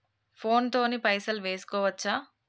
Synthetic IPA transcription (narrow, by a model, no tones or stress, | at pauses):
pʰo̞ːnt̪o̞ːnipɐjsɐlʋe̞ːsu̥kɔːʋɐt͡ʃːaː